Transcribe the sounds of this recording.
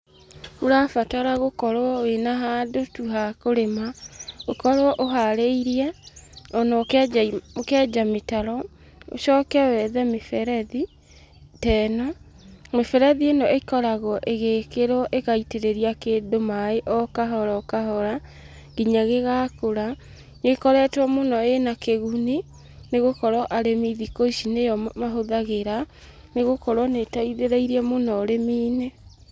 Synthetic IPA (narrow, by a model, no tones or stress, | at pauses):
hoɾafataɾaɣokɔɾwɔwenaɦadotuɦakoɾemaokɔɾwɔʔoɦaɾeiɾiɛɔnɔ | okɛːd͡ʒametaɾɔ | o̰ʃɔːkɛwɛðɛmefɛɾɛði | tɛːnɔ | mefɛɾɛðienɔʔekɔɾaɣɔʔeɣeːkeɾɔʔekaiteɾeɾiakedomaeʔɔkaɦɔɾaɔkaɦɔɾa | ɡiɲaɣeɣakoɾa | ŋekɔɾɛtwɔmonɔenakeɣuni | neɣokɔɾɔʔaɾemiðikoiʃinejɔmaɦoðaɣeɾa | neɣokɔɾwɔnetaiðeɾaiɾiɛmonɔɾemiːne